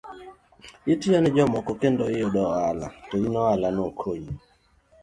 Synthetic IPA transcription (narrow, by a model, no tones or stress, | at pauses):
itijanɪd͡ʒɔmɔkɔkendoɪjɔdɔala̰tɔinɔalanɔkʰoji